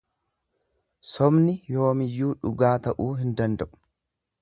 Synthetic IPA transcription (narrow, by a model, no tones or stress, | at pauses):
sɔbnɪjo̞ːmɪjːuːᶑʊɡaːt̪ɐʔuːɦɪnd̪ɐnd̪ɐʔʊ̥